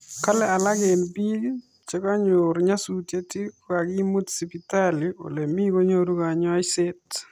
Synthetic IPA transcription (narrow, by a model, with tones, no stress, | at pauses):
ka˦lɛ˦a˨la˦ɡe˨nbi˦ | t͡ʃɛ˦ka˦ɲʊ˨ɾɲa˦su˨tje˦ti˦ka˨ɡi˦mu˦tsi˨pi˨talio̰˨le˨mi˦ko˦ɲo˦ɾu˦ɡa˨ɲ˦a˦jsɪ˦t